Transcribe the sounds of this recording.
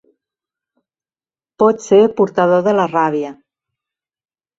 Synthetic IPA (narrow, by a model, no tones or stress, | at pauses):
pɔt̪seɾpuɾt̪əðoðələraβ̞iə